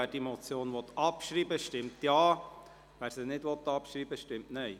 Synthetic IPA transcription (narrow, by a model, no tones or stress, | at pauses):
æːd̥imɔt͡sjoːnʋɔt̪ɑpʃɾiːbəʃtɪmtjɑː | ʋæːɾsənɪdʋɔt̪ːɑpʃɾiːbəʃtɪmtnœj